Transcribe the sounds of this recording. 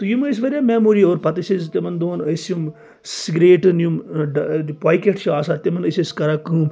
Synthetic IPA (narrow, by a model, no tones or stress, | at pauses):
t̪ujuməs̬ʋɐɾʲaːmeːmoːɾioːɾpɐt̪isizt̪emɐnd̪oːnəsjum | siɡɾeːʈɨnjumɖpaːjkeʈt͡ʃʰiaːsat̪emɐnəsiskɐɾaːkuːm